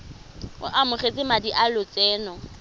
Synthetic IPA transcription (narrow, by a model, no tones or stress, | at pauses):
ʊ̰ʔamʊχet͡sʼɪmadiʔalʊt͡sʼɛːnɔ